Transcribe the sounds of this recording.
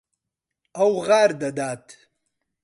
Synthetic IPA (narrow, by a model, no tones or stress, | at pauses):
awɣaːɾd̪ɐd̪aːt̪